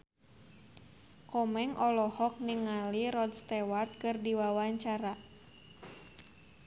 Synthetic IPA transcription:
kɔmɛŋʔɔlɔhɔk̚niŋaliɾɔdst̪ɛwart̪̚kɨrdiwawaɲt͡ʃaɾa

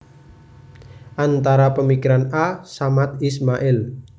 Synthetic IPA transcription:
ʔant̪aɾapəmikiɾanasamat̪ismaʔɪl

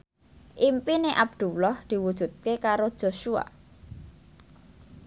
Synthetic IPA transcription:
ʔimpineʔab̚d̪̥ulɔhd̪̥i̤wud̥ʒ̥ṳt̪̚kekaɾod̥ʒ̥o̤ʃua̰

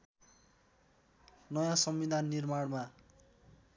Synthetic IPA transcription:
nʌjãsʌmːid̪ʱanːirmaɽma

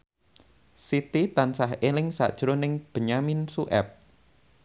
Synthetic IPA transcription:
sit̪it̪ansahelɪŋsa̰ʔd̥ʒ̥ɾonɪŋb̥ə̤ɲaminsuʔɛ̰p̚

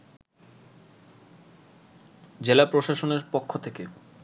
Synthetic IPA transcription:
d͡ʑelapɾoʃaʃoneɾpokʰːot̪ʰeke

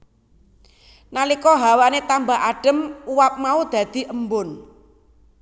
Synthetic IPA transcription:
nalikɔɦawanet̪ambaɦaɖ̥ə̤muwap̚maud̪̥ä̤d̪̥i̤ʔəmbʊn

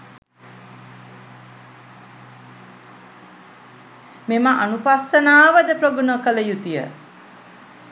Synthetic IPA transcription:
memaʔanupasənaːʋəd̪əpɾoɡunokələjut̪ijə̰

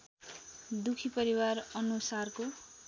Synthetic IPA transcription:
d̪ukʰipʌɾiwarʌnusarko

